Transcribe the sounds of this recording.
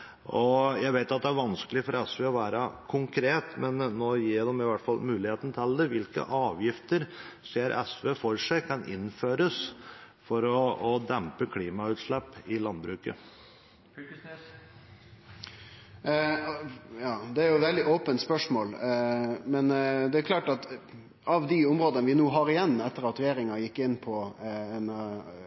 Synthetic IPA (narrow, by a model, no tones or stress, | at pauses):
ʔɔjæɪɡʋeɪt̪ɑt̪̚d̪ɛæɾʋɑnskəlɪfɔɾɛsʋeːɔʋæːɾəkʰʊŋkʰɾeːt̪mɛnːoːjiːd̪ɛmɪʋæʈːfɑlmʉːlɪheːt̪n̩t̪ʰɪld̪ɛʋɪlkə̰ʔɑːʋjɪft̪əɾseːɾʔɛ̰sʋeːfɔʂæɪkʰɑnʔɪ̰nːføːɾəs | fɔɾɔɔd̪ɛmpəkʰliːmɑʉːt̪ʂlɛpːɪlɑnbɾʉːkə | jɑːd̪ɛæɾjʊʋɛld̪ɪʔɔːpənt̪spœʂmoːl | mɛnd̪ɛæɾkʰlɑːʈɑt̪ | ʔɑʋd̪iʊmɾoːd̪ənəʋɪnuːɦɑɾɪjɛnːɛt̪ːəɾɑt̪ɾɛjeːɾɪŋɑjɪkːɪnːpʰɔɛn